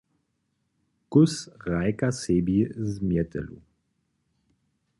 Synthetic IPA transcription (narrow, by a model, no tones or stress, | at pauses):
kʊsʁajkasebizmjɛtə̰lṵ